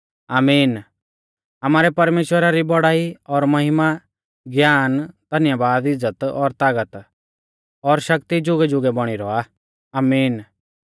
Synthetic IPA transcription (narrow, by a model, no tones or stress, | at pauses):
aːmiːn | ɐmaːɾɛpɐɾmeːʃwəɾaɾibɔɽaːiɔɾmɐɦɪma | ɡjaːnt̪ɐnɪjabaːd̪ɪd͡zːət̪ɔ̰ɾt̪aːɡət̪ | ɔɾʃɐkt̪id͡ʒʊɡɛd͡ʒʊɡɛbɔɽ̃iɾɔa | aːmiːn